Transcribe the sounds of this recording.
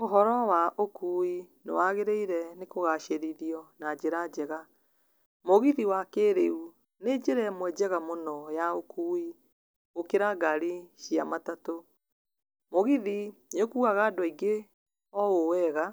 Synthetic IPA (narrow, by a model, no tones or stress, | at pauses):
oɦɔɾɔwaʔokuːi | nḛwaɣeɾeiɾɛnekoɣaʃeɾiɾiɔnad͡ʒeɾad͡ʑɛɣa | moɣiðiwakeɾeu | ned͡ʒeɾɛmwɛd͡ʒɛɣamonɔjaokui | okeɾaɡaɾiʃia̰matato | moɣiðinokuɣaɣaːdɔiɡe | ɔowɛɣa